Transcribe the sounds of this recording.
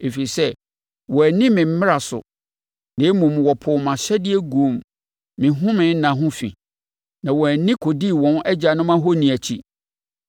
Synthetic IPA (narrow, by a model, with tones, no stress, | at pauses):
e˨fi˨i˨sɛ˦ | wɔ˨æ˨nĩ˦mɪ̃˨m̩˦mɪ̃˦ɾa˨sʊ̰˨ | nẽ˨e˦mũ˨m˨wɔ˨pʰʊ˨mã˨ɕɛ˦dɪ˦e˦ɡu˨o˨mː | ɪ̃˨ɦʊ̃˦mɪ̃˨˦n̩˦nã˨ɦʊ̃˦fḭ̃˨ | nã˨wɔ˨æ˨nĩ˦kʰo˨di˦˨wɔ̃˦n˦ɛ˦d͡ʑa˨nʊ̃˦mã˦ɦɔ˦nĩ˨æ˨t͡ɕʰi˦